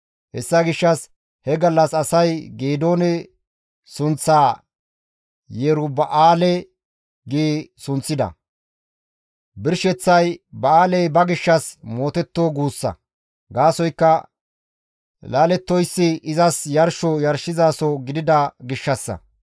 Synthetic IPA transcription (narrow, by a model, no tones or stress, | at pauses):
hɛsːɐɡɪʃːɐs | hɛɡɐlːɐsɐsɐjɡeːd̪o̞ːnɛ | sʊnt͡sːaː | jeːɾʊbɐʔaːlɛ | ɡiːsʊnt͡sːɪd̪ɐ̰ | bɪɾʃɛt͡sːɐjbɐaːlɛjbɐɡɪʃːɐsmo̞ːt̪ɛt̪ːoːɡuːsːɐ̰ | ɡaːsɔjkːɐ | laːlɛt̪ːɔjsːɪɪzɐsjɐɾʃɔjɐɾʃɪzaːsɔɡɪd̪ɪd̪ɐɡɪʃːɐsːɐ̰